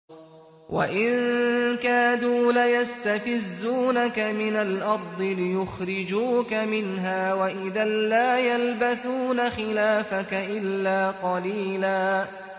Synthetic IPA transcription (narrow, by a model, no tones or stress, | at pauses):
wʔa̰ʔɪnkaːd̪uːlajast̪afɪzːuːnakamɪnalʔɑɾˤd̪ˤɨlɪjʊxɾɪd͡ʒuːkamɪnɦaːwaʔɪðaːaːjalbaθuːnaxɪlaːfakaʔɪlːaːqɑliːlaː